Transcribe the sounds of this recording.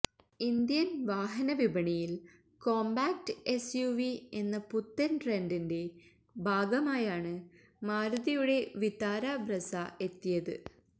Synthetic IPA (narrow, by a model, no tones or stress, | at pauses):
ind̪jɐnʋaːɦɐnɐʋibɐɳijil | ko̞ːmbaːk̚ʈɨe̞sjuʋie̞nːɐput̪ːɐnʈrendinde̞ | bʱaːɡɐmaːjaːɳɨ | maːɾuðijuɽe̞ʋit̪aːɾaːbrɐsae̞t̪ːijɐðɨ̰